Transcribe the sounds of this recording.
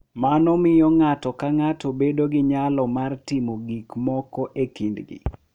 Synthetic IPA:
manɔmɪjɔŋatɔkaŋatobedoɡɪɲalɔmartimoɡikmɔkɔʔekindɡḭ

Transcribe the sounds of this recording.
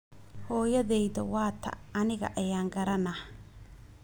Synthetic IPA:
hɔːjɐðɛjðɐwɑːt̪ʰɐ̰ɐnɪɣɐ̰ʔɐjaːŋɡɐɾɐnɐh

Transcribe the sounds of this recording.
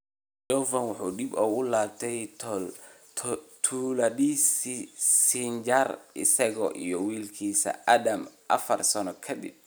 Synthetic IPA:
d͡ʒɔvɐnwʊħuːd̪ibɔːɣʊlaːb̚t̪ʰɛj | t̪ʰuːlɐdissind͡ʒɐrʔɪsɐɣɔʔḭjɔwiːlkʰiːsɐ̰ʔɐd̪ɐmʔɐ̰fɐrsɐnɔkʰɐd̪ɪ̰b̚

